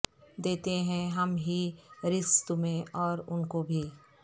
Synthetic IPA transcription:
d̪eːt̪eɦɛ̃ɦɐmɦiɾɪst̪umẽɔːɾʊnkobʱiː

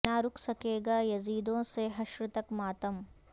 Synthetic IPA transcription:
naɾʊkʰsɐkeːɡaːjɐziːd̪õseɦɐʃɾɪt̪ɐkmaːt̪əm

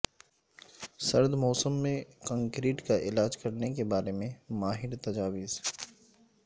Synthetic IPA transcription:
sɐɾd̪mɔːsəmːẽkɐ̃ŋkɾiːʈkaʔɪlaːd͡ʒkɐɾnekebaːɾemẽmaːɦɪɾt̪ɐd͡ʒaːʋɪz

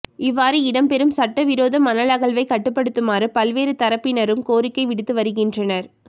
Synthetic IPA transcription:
ɪʋːaːɾɯɪɽɐmpɛɾɯmsɐʈːɐʋɪɾoːðɐmɐnɐlɐɣɐɭʋɐɪkɐʈːɯpːɐɽɯt̪ːɯmaːɾɯpɐlʋeːɾɯt̪ɐɾɐpːɪnɐɾɯmkoːɾɪkːɐɪʋɪɽɯt̪ːɯʋɐɾɯɣɪndrɐnɐɾ

